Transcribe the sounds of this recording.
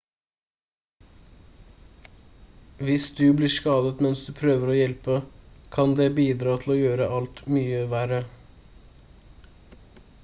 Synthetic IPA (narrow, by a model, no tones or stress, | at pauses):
ʋɪsd̪ʉbliːʂkɑːd̪ət̪mɛnsd̪ʉːpʰɾøːʋəɾoːjɛlpəkʰɑnd̪eːbiːd̪ɾɑːt̪ʰl̩oːjøːɾəʔɑlt̪myːəʋæɾə